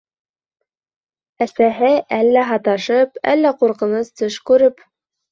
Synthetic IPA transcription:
æsæɦɘʔælːæɦɑt̪ɑʃɤpæ̰lːæquɾqɤ̆nɤst̪ɤʃkʉɾɘp

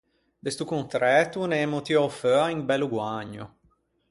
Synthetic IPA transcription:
d̪ɛst̪ukunt̪ɾɛːt̪unɛːmot̪iɔføːaiŋbɛlːuɡwaɲːṵ

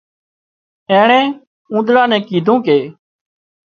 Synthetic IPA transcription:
ɛ̃ːɳɛ̃ː | ũːd̪ɾãːnɛ̃ːkiːd̪ʱõːkeː

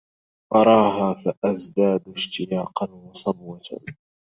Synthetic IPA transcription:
ʔɑɾˤɑːɦaːfaʔazd̪aːd̪ʃt̪ɪjaːqɑnwɑsˤɑbwɑt̪ʰa̰

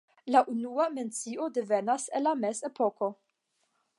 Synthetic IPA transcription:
laʔunuame̞nt͡sio̞devenasenlamesepoko̞

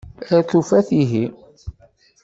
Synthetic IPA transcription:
æθufæθiɦi

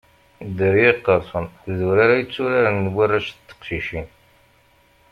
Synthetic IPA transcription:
d̪əɾjiqːəɾˤsˤənθðuɾaɾajət͡sːuɾaɾnwarːaʃt̪ːə̥qʃiʃin

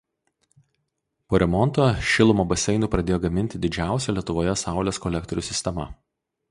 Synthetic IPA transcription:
poːɾʲɛmɔnˑt̪oːʃʲɪlˠʊmoːbɐsʲɛɪnuːpɾɐd̪ʲeːjoːɡɐmʲɪnʲt̪ʲɪd̪ʲɪd͡ʒʲæˑʊsʲɛlʲiɛt̪ʊʋoːjɛsɑˑʊlʲeːskɔlʲɛk̚t̪ɔɾʲʊːsʲɪsʲt̪ʲɛmɐ̰

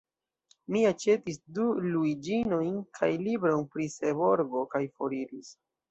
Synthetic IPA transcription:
miat͡ʃe̞tisduluid͡ʒino̞jnkʰajlibɾo̞npɾiseβo̞ɾɡo̞kajfo̞ɾiɾis

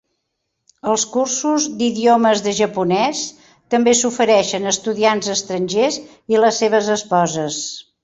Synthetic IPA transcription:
əlˠskursuzd̪iðioməzðəʒəpunɛs | t̪əmbesufəɾɛʃənəst̪uðianzəst̪ɾənʲʒez | iləsːeβ̞əzəspɔzəs

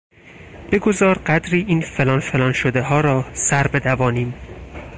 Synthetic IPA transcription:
b̥e̞ɡozɒːɾɢæd̪ɾiːʔiːnfe̞lɒːnfe̞lɒːnʃod̪eɦɒːɾɒːsæɾbe̞d̪ævɒːniːm

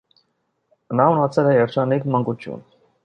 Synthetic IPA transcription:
nɑunɑt͡sʰɛlɛjɛɾt͡ʃʰɑnikmɑŋɡut͡ʃʰjṵn

